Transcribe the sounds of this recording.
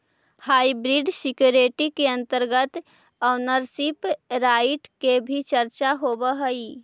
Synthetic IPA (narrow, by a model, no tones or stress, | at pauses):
haibɾiɖsikjoɾeʈikeə̃nt̪əɾɡət̪ | ənəɾsipɾajiʈkebʱit͡ʃəɾt͡ʃaɦobəɦəi